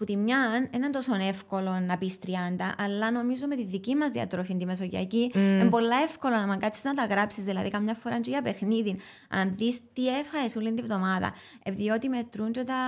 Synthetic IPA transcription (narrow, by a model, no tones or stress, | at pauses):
put̪imɲɐnenɐnt̪o̞sonefko̞lo̞nːɐpist̪ɾiɐnd̪ɐʔːlːɐno̞mizomet̪iðicimɐzðiɐ̰t̪ɾofind̪imes̬oʝɐ̰ciembo̞lːɐefkolonɐmɐŋɡɐt͡sʰːi̥znɐt̪ɐɣɾapsizðilɐðikɐmɲɐfːoɾɐnd͡ʒoʝɐpe̞xniðin | ɐ̰nðist̪iefɐesulːint̪ivðo̞mɐðɐ̰ | epiðio̞t̪ime̞t̪ɾund͡ʒot̪ɐ